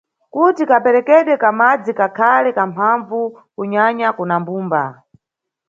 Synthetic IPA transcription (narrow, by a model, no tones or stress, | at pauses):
kutikapɛɾɛkɛɗwɛkamad͡zikakʰalɛkampʰaɱvu | kuɲaɲakunambuːmba